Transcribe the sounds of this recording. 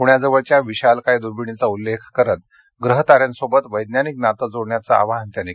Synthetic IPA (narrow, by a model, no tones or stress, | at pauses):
kuɳjad͡zəʋəɭt͡ɕjaʋiɕalkajd̪uɾbiɳ̃it͡saulːekʰkəɾət̪ | ɡɾəɦt̪aɾjansobət̪ʋəjd̪njaniknat̪əd͡zoɽɳjat͡sa̰a̰ʋaɦənt̪jani